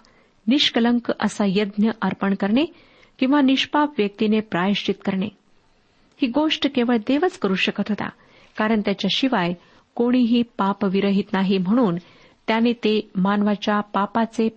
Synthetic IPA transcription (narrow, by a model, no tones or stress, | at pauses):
niɕkələŋkə̰sajəd̪njəʔəɾpəɳkəɾɳe | kĩw̃ʋaniɕpapʋjək̚t̪inepɾaʋiʂʈit̪kəɾɳe | hiːɡoʂʈkeʋəɭd̪eʋət͡skəɾuːɕəkət̪ɦot̪a̰ | kaɾəɳt̪jat͡ɕjaɕiʋaj | koɽ̃iɦiːpapʋiɾəɦit̪naɦim̤əɽ̃uːn | t̪janiːt̪emanʋat͡ɕjapapat͡se